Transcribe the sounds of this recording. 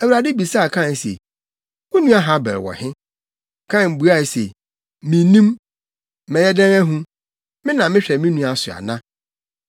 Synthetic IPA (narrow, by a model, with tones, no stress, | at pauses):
æ˨wu˨ɾa˨dɪ˦bi˨sa˦˨kʰã˦˨n˨sḛ˨ | mʊ̃˦nũ˦a˦ɦã˦bɛ̰˨lwɔ̰˨hɪ̃˦ | kʰã˦˨m˨bu˨˦a˦˨sḛ˨ | mĩ˨nĩ˦m˦ | mɛ̃˨jɛ˦dɛ̃˦ŋæ˦ɦũ˦ | mɪ̃˦nã˨mɪ̃˦ɕᶣɛ˨mĩ˦nũ˦a˨sʊ˨a̰˨nã˦